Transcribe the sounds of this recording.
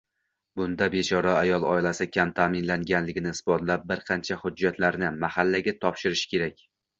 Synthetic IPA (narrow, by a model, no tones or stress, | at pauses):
bʊnd̪abe̞t͡ʃʰɒɾaːjɒlˠɒ̰ɪlasɪkʲʰamt̪ʰaːmɪnlaŋɡʲanlɪɡʲɪnɪɪsbɒt̪lap̚bɪɾqʰɑnt͡ʃʰahʊd͡ʒːat̪laɾnɪmahalːaɡʲat̪ʰɒpʃɪɾɪʃkʲe̞ɾakʲ